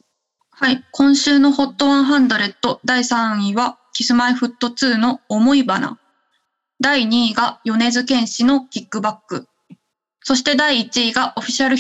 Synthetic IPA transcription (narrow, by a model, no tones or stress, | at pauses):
haikõ̞ɰ̃ɕɨːno̞ho̞t̪ːo̞βãɰ̃ɦãnd̪o̞ɾe̞t̪ːo̞d̪aisãɰ̃iβakʲisɨmaiɸɯ̟t̪ːo̞t͡sɨːnoːmo̞ibana̰ | d̪aiɲ̟iːɡajo̞ne̞zɨkẽ̞ɰ̃ɕino̞kʲikːɯ̟bakːɯ̟ | so̞ɕi̥t̪e̞d̪aiːt͡ɕiːɡaʔo̞ɸʲi̥ɕiaɾɯ̟